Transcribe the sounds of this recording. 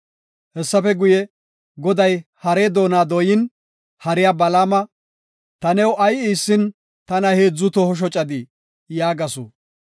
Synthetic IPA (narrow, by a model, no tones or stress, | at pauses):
hɛsːɐfɛɡʊjɛ | ɡɔd̪ɐjhɐɾeːd̪o̞ːnaːd̪ɔjɪn | hɐɾɪjaːbɐlaːmɐ | t̪ɐnɛwʔɐjiːsːɪn | t̪ɐnɐheːd͡zːʊt̪ɔhɔʃ̬ɔt͡ʃʼɐd̪ɪ | jaːɡɐso̰